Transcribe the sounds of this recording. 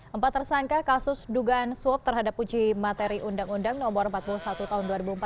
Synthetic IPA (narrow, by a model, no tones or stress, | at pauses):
ʔəmpat̪ːərsaŋkakasʊsduɡaːnsuɔp̚t̪ərɦadapːud͡ʒimat̪eɾiʔundaŋundaŋnɔbɔɾəmpat̪̚pulusat̪ut̪aɦʊnduaɾibuəmp